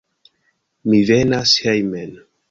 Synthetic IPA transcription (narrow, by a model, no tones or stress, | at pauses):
mivenashejmen